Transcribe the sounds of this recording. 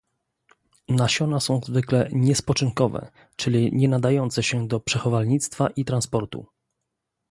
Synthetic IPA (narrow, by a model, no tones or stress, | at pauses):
naɕɔnasɔ̃w̃zvɘklɛɲɛspɔt͡ʂɘŋkɔvɛ̰ | t͡ʂɘlʲiɲɛnad̪ajɔnt̪sɛɕɛd̪ɔpʂɛxɔvalɲit̪st̪faʔit̪ɾanspɔɾt̪ṵ